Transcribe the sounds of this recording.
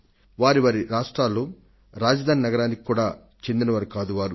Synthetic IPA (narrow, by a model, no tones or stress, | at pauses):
ʋaːɾiʋaːɾiɾaːʂʈɾaːlːoː | ɾaːd͡ʒɐd̪ʱaːninɐɡɐɾaːnikʲi̥kːuːɽaː | t͡ʃe̞nd̪inɐʋɐɾɐkaːd̪uʋaːɾu